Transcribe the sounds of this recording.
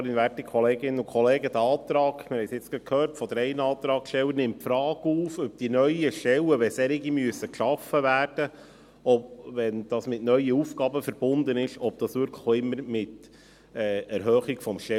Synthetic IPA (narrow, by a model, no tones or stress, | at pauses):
ɾɪnʋæɾtikʰχɔleːɡɪnːənʊkʰχɔleːɡəd̪əɑːt̪ɾɑːɡmɪɾhɛɪsɪt͡sɡ̥ɾɑtkʰhøːrtfɔd̪əɾɛɪnəɑːt̪ɾɑːkʃtɛwəɾnɪmtfɾɑːɡuːfœp̚d̥inœʏəʃtɛləʋɛsɛɾɪɡimyəsːəkʃɑfːəvæːɾd̥ə | ɔpʋɛnd̪̥ɑːsmɪtnœʏəuːfkɑːbəfəɾb̥ʊnd̪ənɪʃɔp̚d̥̪ɑsʋʏɾkʰlə̥χɪmːəɾmɪt̪ | ɛːɛɾɦøːχikfɔmʃtɛ